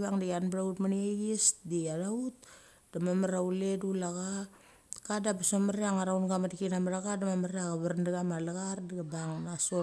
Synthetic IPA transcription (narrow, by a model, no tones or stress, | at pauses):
baŋdijanbaɾautmanieɡesdiaɾaut̚ | d̥amamaɾauledulaɡa | kadabasomaɾeaŋaɾawnɡamadikinamaɾaɡadamamaɾeaɡaβaɾndaɡamalaɡardiɡabaŋnaso